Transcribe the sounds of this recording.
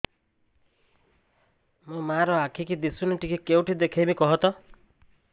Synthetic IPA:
mũmaɾɔakʰikid̪isuniʈikikewʈʰid̪ekʰejmikɔɦɔt̪ɔ

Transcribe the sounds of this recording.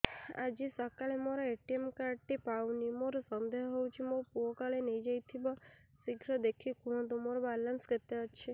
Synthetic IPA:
a̰d͡ʒisɔkaɭemoɾɔeʈiemkaɾɖ̚t̪ipawnimoɾɔsɔnd̪eɦɔɦɔwt͡ʃʰimopuɔkaɭenejd͡ʒajt̪ʰibɔsiɡʱɾɔd̪ekʰikuɽ̃ɔ̃d̪omoɾɔbalənsket̪eɔʃʰe

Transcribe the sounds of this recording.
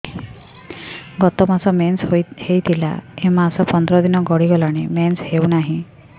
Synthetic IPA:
ɡɔt̪ɔmasɔmenshojhejt̪ʰila̰emasɔpɔnd̪ɾɔd̪inɔɡɔɽiɡɔlaɽ̃emenshewnaɦĩ

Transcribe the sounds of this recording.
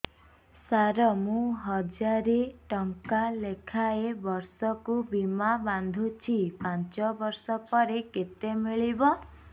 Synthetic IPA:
saɾɔmũɦɔd͡ʒaɾeʈɔŋkalekʰaebɔɾsɔkubimaband̪ʱut͡ʃʰipant͡ʃɔbɔɾsɔpɔɾeket̪emiɭibɔ

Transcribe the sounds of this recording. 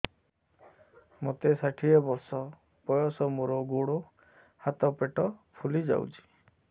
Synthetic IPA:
mot̪esaʈʰiɔbɔɾsɔ | pɔjɔsɔmuɾɔɡuɽo | hat̪ɔpeʈɔpʰulid͡ʒa̰wt͡ʃʰi̥

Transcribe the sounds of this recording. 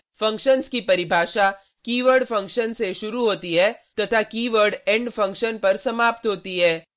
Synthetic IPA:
fɐ̃ŋkʃənskipɐɾɪbʱaːʃa | kiːʋəɾɖfɐ̃ŋkʃənseʃʊɾuɦoːt̪iɦɛːt̪ɐt̪ʰakiːʋəɾɖɛ̃ːɳɖfɐ̃ŋkʃənpɐɾsɐmaːp̚t̪ɦoːt̪iɦɛː

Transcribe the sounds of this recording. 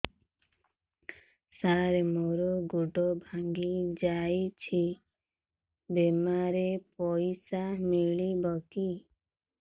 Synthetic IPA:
saɾemoɾɔɡuɖɔbʱaŋɡid͡ʒajt͡ʃʰi | bemaɾepɔjsamiɭibɔki

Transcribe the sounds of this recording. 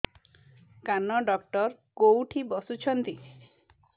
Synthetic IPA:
kanɔɖɔk̚ʈɔɾ | kowʈʰibɔsut͡ʃʰɔnt̪i

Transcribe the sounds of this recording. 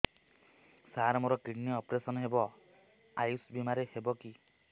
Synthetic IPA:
saɾmoɾɔkiɽniɔpɾesɔnɦebɔ | ajusbimaɾehebɔki

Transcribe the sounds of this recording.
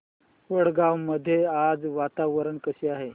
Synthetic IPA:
ʋəɽɡawməd̪ʱːjead͡zʋat̪aʋəɾəɳkəɕiaɦe

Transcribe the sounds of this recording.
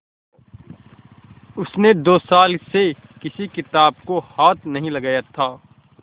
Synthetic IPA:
ʊsned̪oːsaːlse | kɪsikɪt̪aːb̚kohaːt̪nɐɦĩlɐɡaːjat̪ʰaː

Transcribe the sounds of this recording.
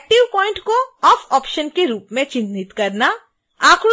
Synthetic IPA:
ʈiʋpɔːɪ̃ɳʈkoɔfʰɔːpʃənkeɾuːpmẽt͡ʃɪ̃nd̪it̪kəɾna | akʰl

